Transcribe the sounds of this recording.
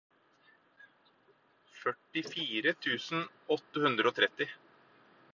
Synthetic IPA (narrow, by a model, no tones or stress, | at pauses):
fœʈːɪfiːɾət̪ʰʉːsn̩ | ɔt̪ːəhʉnd̪ɾəoːt̪ʰɾɛt̪ɪ